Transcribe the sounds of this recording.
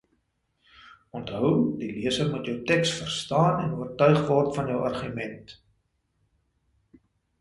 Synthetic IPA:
ɔntɦœwdiliəsərmutjəwtɛksfərstɑːnɛnuərtœɥχvɔrtfɐnjœwɐrχymɛnt

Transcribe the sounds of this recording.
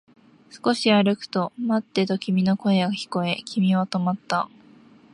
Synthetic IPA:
sɨ̥ko̞ɕiaɾɯ̟kɯ̟̥t̪o̞mat̪ːe̞t̪o̞kʲimʲino̞ko̞e̞ɡaçi̥ko̞e̞kʲimʲiβat̪o̞mat̪ːa

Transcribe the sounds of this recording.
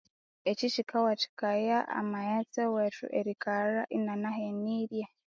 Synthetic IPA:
eciʃikʰawat͡ʃi̥kajaa̰majat͡sewetṵʔeɾikaɾaʔinanaɦeniɾja

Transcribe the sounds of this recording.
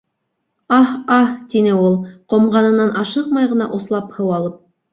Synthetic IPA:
ɑhɑht̪inɘulˠqŏmʁɑnɤ̆nɑnʔɑʃɤqmɑjʁɤ̆nɑ̰ʔoslˠɑphɤwɑlˠɤp̚

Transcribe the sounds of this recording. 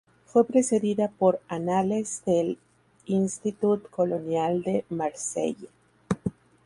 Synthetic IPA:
fwe̞pɾe̞se̞ðiðapo̞ɾanale̞zðe̞l | inst̪it̪ut̪ko̞lo̞njald̪e̞maɾsḛja

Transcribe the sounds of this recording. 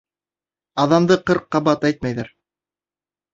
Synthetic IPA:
ɑðɑmd̪ɤqɤɾqːɑbɑt̪æjt̪̚mæjðæɾ

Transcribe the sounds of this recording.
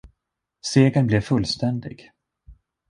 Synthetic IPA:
seːɡənblɛvfɵlːst̪ɛnd̪ɪ̰ɡ

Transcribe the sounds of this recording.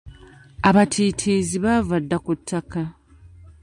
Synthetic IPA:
aβatʰiːtʰiziβavadːakutːaka

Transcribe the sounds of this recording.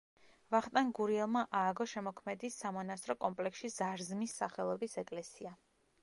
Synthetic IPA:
vaχt̪ʼanɡuɾiɛlˠmaʔaːɡɔʃɛmɔkʰmɛd̪isːamɔnast̪ʼɾɔkʼɔmpʼlɛksʃiz̥aɾzmisːaχɛlˠɔbisɛkʼlɛsia

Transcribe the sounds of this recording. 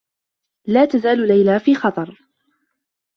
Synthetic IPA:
laːt̪azaːllajlaːfiːxɑt̪ˤɑɾˤ

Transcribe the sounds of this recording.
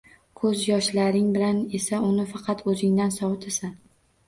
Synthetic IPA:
kʰɵzjɒʃlaɾɪŋbɪlane̞saʊnɪfɑqʰɑt̪ʰɵzɪŋd̪ansɒwɪt̪ʰesan

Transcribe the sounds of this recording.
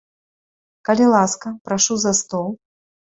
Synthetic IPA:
kɐlʲilˠaskɐpɾaʂuzɐst̪ɔlˠ

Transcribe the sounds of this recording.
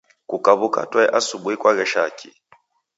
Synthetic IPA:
kʼukʼaβukʼa̰tʼwɛʔasuɓwɛkʼwaɣɛʃakʼḭ

